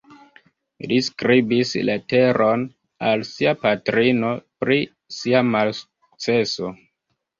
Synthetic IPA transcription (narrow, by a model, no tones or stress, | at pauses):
liskɾibislete̞ɾʔo̞n | alsiapatɾino̞pɾi | siamalsu̥k̚t͡se̞so̞